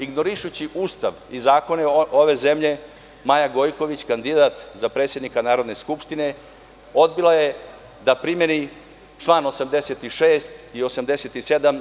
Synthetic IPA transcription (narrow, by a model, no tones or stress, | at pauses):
iɡno̞ɾiʃut͡ɕiʔuːst̪aʋizaːko̞neoʋe̞ze̞mʎe̞ | majaɡo̞jko̞ʋit͡ɕkand̪id̪at̪zapɾe̞t̪sjed̪nikanaːɾo̞d̪ne̞skupʂt̪ine̞ | o̞d̪bilaje | d̪apɾime̞ni | ʈ͡ʂlˠaːno̞samd̪e̞se̞t̪iʂeːst̪io̞samd̪e̞se̞t̪ised̪am